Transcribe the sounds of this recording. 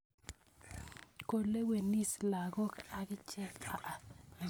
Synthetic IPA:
ko˨le˦we˨ni˦sla˨ɡɔ˦ka˨ɡɪ˦t͡ʃɛ˦ka˦ʔa˨

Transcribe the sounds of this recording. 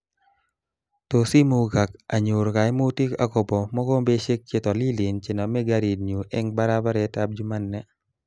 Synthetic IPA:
to˨si˦mo˨ɡa˨ka˨ɲʊ˨ɾka˨jmo˦ti˦ka̰˨ko˨bɔ˨mɔ˦ko˦mbe˦ʃe˦k̚t͡ʃe˦tɔ˨li˦li˨nt͡ʃɪ˨nɔ˨mɛ˦ɡa˦ɾi˨d̚ɲu˨ʔɛ˦ŋba˦ɾa˦ba˦ɾɛ˨ta˦b̚d͡ʒu˦ma˦nːɛ˨

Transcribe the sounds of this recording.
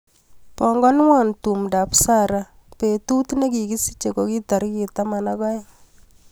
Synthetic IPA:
pɔ˨ŋɡɔ˦n˦wa˨ntu˨mda˨psa˦ɾa˨ | pe˨tu˦tne˦ki˨ki˦si̥˦t͡ʃe˨kɔ˨ki˦ta˨ɾki˨ta˦ma˨na˦kɔ˦j

